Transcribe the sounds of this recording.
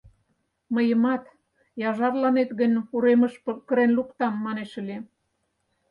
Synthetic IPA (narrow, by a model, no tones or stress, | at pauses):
məjə̆mɑt̪ | jɑʒɑrlɑnet̪ɣənʲuɾemə̆ʃpkəɾenlukt̪ɑmːɑneʃə̆lʲe